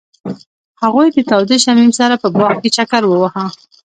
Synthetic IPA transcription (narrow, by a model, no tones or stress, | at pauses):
haɣujd̪ət̪ɑwd̪eʃamimsaɾapəbɑxket͡ʃakaɾwəwaha